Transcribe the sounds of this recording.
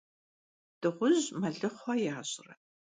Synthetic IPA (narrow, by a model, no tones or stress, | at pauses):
d̥ɨʁʷʊʑmɐɮɨχʷɐjaːɕʼɪrɐ